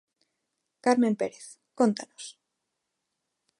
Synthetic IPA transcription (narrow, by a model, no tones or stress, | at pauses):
kaɾmẽ̞mpeɾeθ | kont̪anos